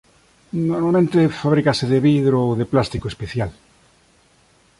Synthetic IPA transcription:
noɾmalmẽnt̪efaβɾikaseðeβiðɾoowðeplast̪ikoespeθjal

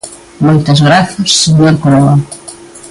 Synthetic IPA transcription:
mojt̪ɐzɣɾaθɐsːeɲoɾkoloa

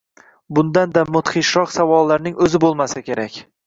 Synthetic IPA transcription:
bʊnd̪and̪amʊt̪χiʃɒqsavɒlˠːaɾnɪŋʔɵzɪbolˠmasakʲe̞ɾakʲ

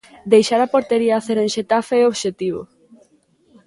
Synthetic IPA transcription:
d̪ejʃaɾapoɾt̪eɾiaːθeɾẽnʃet̪afeoβʃet̪iβ̞o̰

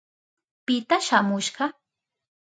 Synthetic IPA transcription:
pɪt̪aʃamʊʃɢɑ

